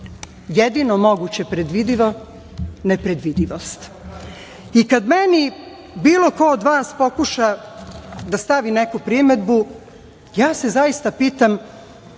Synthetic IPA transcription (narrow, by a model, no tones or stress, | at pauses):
jed̪inomo̞ɡut͡ɕepɾed̪ʋid̪iʋo | nepɾed̪ʋid̪iʋost̪ | ikad̪meni | biːlˠo̞koːd̪ʋaːspo̞kuʃa | d̪ast̪aʋinekupɾime̞d̪bu | jaːse̞zajist̪apiːt̪am